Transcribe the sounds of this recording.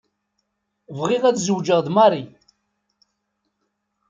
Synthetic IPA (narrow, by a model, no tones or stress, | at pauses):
vʁiʁæðzəwd͡ʒəʁðmɑɾˤi